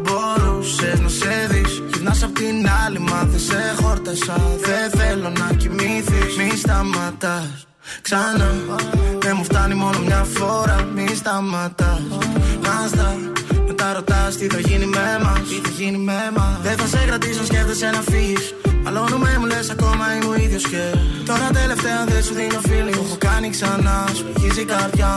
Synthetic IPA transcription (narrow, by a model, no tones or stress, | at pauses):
boɾusenoseðis | ʝit̪nɐsɐpot̪inɐlimɐθisexo̞ɾt̪ɐsɐðeθe̞lo̞nɐcimiθimist̪ɐmɐt̪ɐs | ksɐnɐðemuft̪ɐnimo̞no̞mɲɐfo̞ɾɐmist̪ɐmɐt̪ɐmɐst̪ɐ | met̪ɐɾot̪ɐst̪iθɐʝinimemɐiθɐʝinimemɐðeθɐseɣɾɐt̪is̬osceft̪esenɐfis | ɐlanumemulesɐko̞mɐimoiðʝoscet̪o̞ɾɐt̪ɐele̞ft̪eɐðesuðinofilimupukɐniksɐnɐsoʝizikɐɾðʝɐ